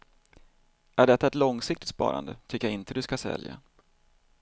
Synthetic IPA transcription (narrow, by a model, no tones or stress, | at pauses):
æɖɛt̪ːaɛt̪lɔŋsɪkt̪ɪt̪spɑ̰ːɾand̪ət̪ʰʏkːəjaɪnt̪əd̪ɵskasɛ̰lja̰